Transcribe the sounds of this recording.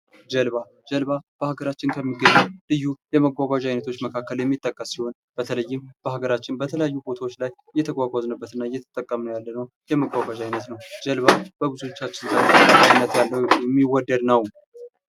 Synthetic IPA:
d͡ʒəlβa | d͡ʒəlβab̥əhaɡəɾat͡ʃːɪnkʰəmːiɡəɲːulɨjːujɛməɡʷaɡʷaʒajnət̪ʰo̞t͡ʃːməkʰakːəljɛmːit̪ʼːəkʼːəsːiho̞n | b̥ət̪ʰələjːɪmb̥əhaɡəɾat͡ʃːɪnbət̪ʰələjajːubo̞t̪ʰawot͡ʃːlaj | jːɛt̪ʰəɡʷaɡʷaznəbːət̪ɨnːajːɛt̪ʰə̥t̪ʼəkʼːəmnəwjalːənəw | jɛməɡʷaɡʷaʒajnət̪nəwd͡ʒəlβab̥əbɨzut͡ʃːat͡ʃːɪnzat̪əəɨnːət̪jalːəwjɛmːiwɔd̪ːəd̪nəw

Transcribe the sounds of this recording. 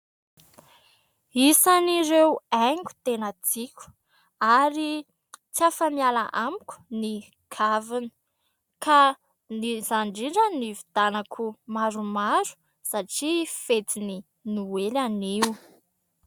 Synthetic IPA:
isaniɾewajŋɡʲu̥t̪enat͡sikʲu̥ | aɾi | t͡sijafəmiala̰ʔamikʲu̥ni | kʰavini̥ | ka | nizaɳɖ͡ʐiɖ͡ʐənivid̪̥anakʰumaɾumaɾu̥ | saʈ͡ʂifet͡sini | nuelaniw

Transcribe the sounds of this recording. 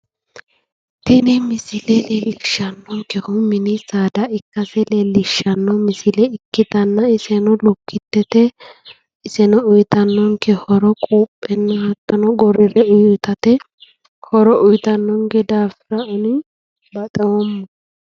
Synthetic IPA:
t̪ɪnɪmɪsɪlɛlelːɪʃːɐnːɔŋkɛhʊmɪnɪsaːd̪ɐɪkːɐsɛleːlːɪʃːɐnːɔmɪsɪlɛɪkːɪt̪ɐnːɐɪsɛnɔlʊkʰːɪt̪ːɛt̪ɛ | ɪsɛnɔʊjt̪ɐnːɔŋkɛhɔɾɔkʼuːpʼːɛnːɐhɐt̪ːɐnɔɡɔɾɪɾɛʊjt̪ɐt̪ɛ | hɔɾɔʔʊjt̪ɐnːɔŋɡɛd̪aːfɪɾɐʊnɪ | bɐt̪ʼɛwɔmːɔ

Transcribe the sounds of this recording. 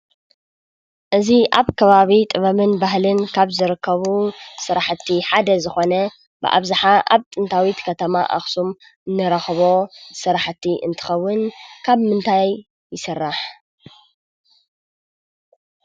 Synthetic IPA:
ʔɨziʔaβkʰɐβaβit̪ʼɨβɐmɨnbahlɨnkʰaβzɨɾɨkʰːɐβusɨɾaħt̪ʰːiħad̪ɐzɨxo̞nɐ | bɨ̰ʔa̰βzɨħaʔa̰βt̪ʼɨnt̪ʰawit̪kʰɐt̪ʰɐma̰ʔa̰xsum | ɨnːɨɾɐxβo̞sɨɾaħt̪ʰiʔɨ̰nt̪ʰɨ̥xɐwːʊnkʰaβmɨnt̪ʰajː | ɪsɨrːaħ

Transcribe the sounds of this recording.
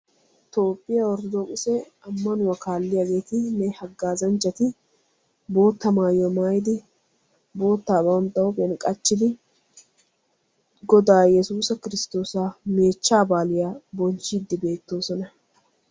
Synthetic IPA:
t̪o̞ːpʼːɪjawɔɾd̪d̪okʼɪsɛ | ɐmːɐnʊwɐkaːlːɪjaːɡe̞ːt̪ɪnɛhɐɡːaːzɐnt͡ʃːɐt̪ɪ | bo̞ːt̪ːɐmaːjɔmaːjd̪ɪ | bo̞ːt̪ːaːbɐwnt̪ːɐwɔbɛnkʼɐt͡ʃːɪd̪ɪ | ɡɔd̪aːjɛsuːsɐkɪɾɪst̪o̞ːsaːme̞ːt͡ʃːaːbaːlɪjaːbɔnt͡ʃːɪd̪ːɪbe̞ːt̪ːo̞ːsɔnɐ

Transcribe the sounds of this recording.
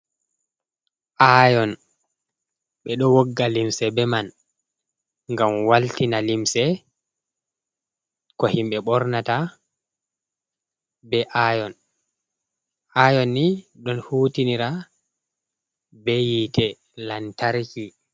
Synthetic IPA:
ʔajɔn | ɓɛɗɔwɔɡːalimsɛbɛman | ŋɡamwaltinalimsɛ | kɔhimɓɛɓɔɾnata | bɛʔajɔn | ʔajɔnːiɗɔnhuːtiniɾa | bɛjitʰɛ | lantaɾki

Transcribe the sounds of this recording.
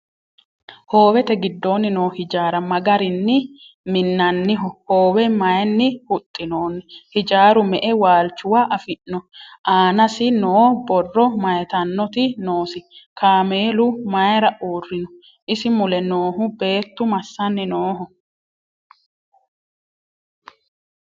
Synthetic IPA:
ho̞ːwɛt̪ɛɡɪd̪ːo̞ːnːɪno̞ːhɪd͡ʒaːɾɐmɐɡɐɾɪnːɪ | mɪnːɐnːɪɦɔhoːwɛmɐjnːɪhʊt̪ʼːɪno̞ːnːhɪd͡ʒaːɾʊmɛʔɛwaːlt͡ʃːʊwaʔɐfɪnːɔʔaːnɐsɪnoːbɔrːɔmɐjt̪ɐnːɔt̪ɪno̞ːsɪkaːmeːlʊmɐjɾɐʔuːrːɪnɔ | ʔɪsɪmʊlɛnoːɦʊbe̞ːt̪ːʊmɐsːɐnːɪnoːɦɔ

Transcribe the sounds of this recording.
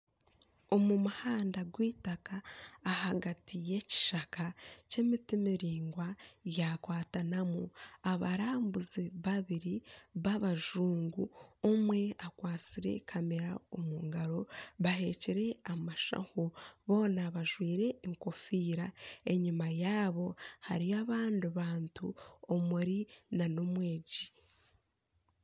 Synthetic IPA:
o̞mumuhaːndaɡwiːtakaːhaɡatije̞ci̥ʃakace̞mitimiɾiːŋɡwajakwaːtanamuaβaɾaːmbuziβaβiɾiβaβaʒuːŋɡuomwe̞akwaːt͡siɾe̞̰kʰameɾa̰omuːŋɡaɾo̞βahe̞ciɾe̞amaʃa̰huβo̞ːnaβaʒwiːɾe̞ːŋkofiːɾae̞ɲimajaːβo̞haɾiaβaːndiβaːntṵomuɾinanomwe̞ːɟi

